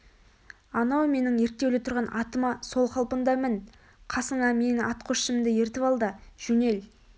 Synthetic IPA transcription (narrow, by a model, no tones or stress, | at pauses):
ɑnɑwme̞nɪŋje̞ɾt̪ːe̞wlet̪ʰʊɾʁɑnʔɑt̪əmɑso̞lˠqʰɑlˠpənd̪ɑmɪn | qʰɑsəɴɑme̞nɪʔɑt̪qʰoʃəmmd̪ɪje̞ɾt̪ɪpɑlˠd̪əʒ̥ɵne̞l